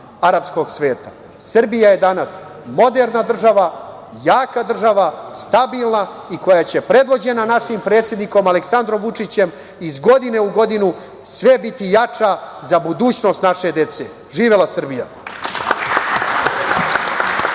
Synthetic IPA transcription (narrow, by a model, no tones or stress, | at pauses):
aɾapsko̞ɡsʋe̞ːt̪ḁ | sr̩bijaje̞d̪anas | mo̞d̪e̞ɾnad̪r̩ʒaʋa | jaːkad̪r̩ʒaʋast̪abilˠna | iko̞jat͡ɕe̞pɾe̞d̪ʋo̞d͡ʑe̞nanaʃimpɾe̞ːt̪sʲje̞d̪niko̞maleksand̪ɾo̞mʋut͡ʂit͡ɕe̞m | izɡo̞d̪ine̞uɡo̞d̪inu | sʋe̞bit̪ijat͡ʂa | zabud̪uːt͡ɕno̞ːst̪naʃe̞d̪e̞t̪se̞ | ʒiːʋelasr̩bija